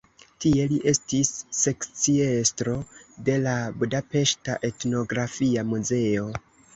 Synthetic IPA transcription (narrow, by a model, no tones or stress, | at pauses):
tie̞liʔe̞stisːe̞kt͡sie̞stɾo̞de̞labudape̞ʃtaʔe̞tno̞ɡɾafiamuze̞o̞